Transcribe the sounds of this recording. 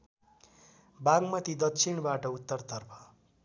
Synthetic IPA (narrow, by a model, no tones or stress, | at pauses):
baɡmʌt̪id̪ʌkt͡sʰiɳbaʈʌut̪ːʌrt̪ʌrpʰʌ̥